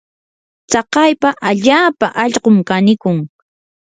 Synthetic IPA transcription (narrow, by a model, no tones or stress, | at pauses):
t͡sɑqɑjpaʔaʎaːpaʔɑʎɢomkanɪkʊŋ